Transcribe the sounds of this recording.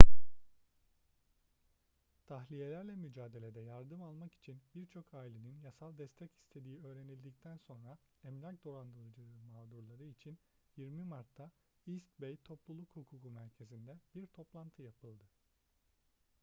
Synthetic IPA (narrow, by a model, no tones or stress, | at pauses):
t̪ʰaxlʲije̞lʲæɾlʲɛmyd͡ʒaːd̪e̞lʲe̞d̪ɛjaɾd̪ɯmalˠmaki̥t͡ʃʰinbiɾt͡ʃʰo̞kʰaːilʲe̞ninjasalˠd̪ɛst̪ʰɛci̥st̪ʰe̞d̪iːø̞ːɾe̞nilʲd̪ic̚t̪ʰænso̞nɾa | ɛmlʲac̚d̪o̞ɾand̪ɯlˠd͡ʒɯɯmaːd̪uɾlˠaɾɯit͡ʃʰin | jiɾmimaɾt̪ʰːa | ist̪bejt̪ʰo̞plˠulˠukhukʰukʰumæɾcʰe̞zind̪ɛb̥iɾt̪ʰo̞plˠant̪ʰɯjapʰɯlˠd̪ɯ